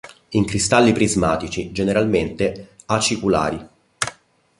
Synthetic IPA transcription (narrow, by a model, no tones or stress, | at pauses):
iŋkɾist̪alːipɾizmaːt̪it͡ʃid͡ʒeneɾalment̪e | at͡ʃikula̰ːɾi